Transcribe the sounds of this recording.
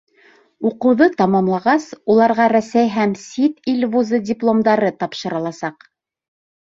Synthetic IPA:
uqɤ̆wðɤt̪ɑmɑmlˠɑʁɑsulˠɑɾʁɑɾæsæjɦæmsʲit̪ilʲvuzɤdʲɪplˠomd̪ɑɾɤt̪ɑpʃɤ̆ɾɤ̆lˠɑsɑq

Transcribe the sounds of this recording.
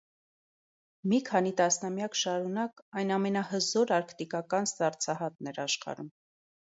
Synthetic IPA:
mikʰɑnit̪ɑsnɑmjɑkʃɑɾunɑkɑjnɑmɛnɑhəzɔɾɑɾkʰt̪ikɑkɑnst̪ɑrt͡sʰɑɦɑt̪nɛɾɑʃχɑ̰ɾum

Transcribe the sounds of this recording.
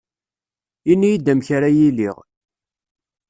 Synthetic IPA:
inːijid̪æmçaɾajiliʁ

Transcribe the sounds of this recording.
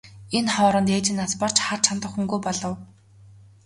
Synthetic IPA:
enχɔːɾɞ̆nt̪eːt͡ɕɪ̆nːaspɔr̥t͡ɕχar̥t͡ɕʰant̪ə̆χxuŋɡujpɔɮɞ̆w

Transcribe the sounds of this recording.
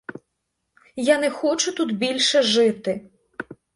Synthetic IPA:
janɛxɔt͡ʃʊt̪ud̪bʲilʲʃɛʒɪt̪ɪ

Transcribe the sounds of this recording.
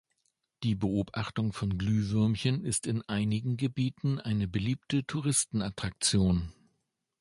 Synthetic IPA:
d̥iːbəʔoːpʔaχtʊŋfɔnɡlyːvʏɐmçənɪstɪnʔaɪnɪɡŋ̩ɡəbiːtn̩ʔaɪnəbəliːp̚tətʰuʁɪstn̩atʁ̥ak̚t͡sjoːn

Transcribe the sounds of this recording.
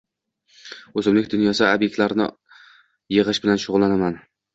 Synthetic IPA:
ozɪmlɪkʲd̪ʊnjɒsabjek̚ʲt̪laɾnɪ̰ | jɨʁɨʃbɪlanʃʊʁʊlˠːanaman

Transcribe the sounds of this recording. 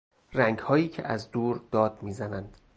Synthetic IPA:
ræŋɡhɒːjiːcʰḛʔæzd̪uːɾd̪̥ɒːd̪̥miːzænænd̪̥

